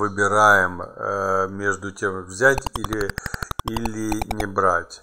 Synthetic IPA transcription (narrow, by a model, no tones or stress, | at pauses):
vɨbʲɪɾajɪm | mʲeʐd̪ʊtʲe̞mvzʲætʲilʲɪilʲɪnʲɪbɾatʲ